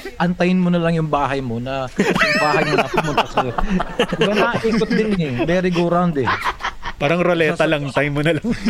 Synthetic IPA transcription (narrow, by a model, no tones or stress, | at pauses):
ʔɐnt̪ɐjɪnmonɐlɐŋjʊŋbaːɦɐjmonɐʊŋbaːhɐjnɐɐpʊmʊnt̪ɐs | ɪbɐnɐʔiːkot̪̚d̪ɪnɛbɛɾɪɡʊɾand̪ɛpaːɾɐŋɾolɛːt̪ɐlɐŋɐnt̪ɐjɪnmonɐlɐŋ